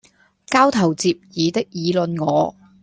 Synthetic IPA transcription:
kaː˥wt̪ʰɐ˨˩wt͡siː˧p̚jiː˨˧t̪ɪ˥k̚jiː˨˧lɵ˨˧nŋɔː˨˧

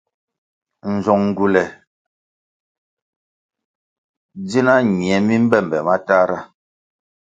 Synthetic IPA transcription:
n̩˨zɔ˨ŋŋ̩˨ɡu˨lɛ˨ | d͡zi˦na˦ɲi˨ɛ˨˦mi˦m̩˦bɛ˦˨m˨bɛ˨ma˦ta˦ɾa˦˨

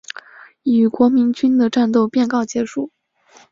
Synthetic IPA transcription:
i˨˩y˨˩kwɔ˧˥mi˧˥nt͡ɕy˥nd̪ə˨ʈ͡ʂa˥˧nt̪̬o˥˧ʊpjɛ˥˧nkɑ˥˩ʊt͡ɕjɛ˧˥ʂu˥˩

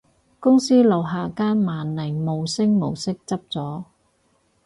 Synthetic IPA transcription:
kʊ˥ŋsiː˥lɐ˨wɦaː˨˩kaː˥nmaː˨nlɐ˨˩jmo˨wsɪ˥ŋ̚mo̰˨˩wsɪ˥k̚t͡sɐ˥p̚t͡sɔː˨˥

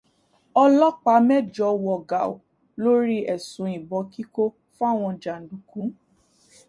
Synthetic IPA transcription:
ɔ˧lɔ˦k͡pa˧˦mɛ˦d͡ʒɔ˧wɔ˨ɡa˨o̰˨ | lo˦ɾi˦ɛ˨sũ˨˦ĩ˨bɔ˨˧ki˦ko˦ | fa˦˨w̃ɔ̃˧d͡ʒa˨n̩˨du˨kũ˨˦

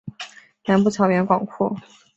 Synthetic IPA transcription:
na˧˥npu˥˩t͡ɕʰɑ˧˥ʊɥɛ˧˥nkwɑ˨˩ŋkʰu˥˩

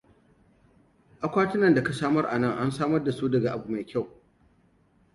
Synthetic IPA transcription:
ʔa˨kʷaː˦tɪ˦nɐ˨nda˨ka˨saː˦mɐ˦rʔa̰˨nɐ˦ŋʔa˦nsaː˦mɐ˦rda˨suː˦dɐ˨ɡa˨ʔa˨bu˨ma˨jkʲa˦˨w

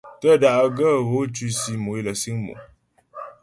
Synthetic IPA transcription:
tə˦˨da˨ʔɡə˦˨ɣo˨˦t͡ʃʉ˦si˦mo˨i˦lə˨si˦ŋmṵ˨

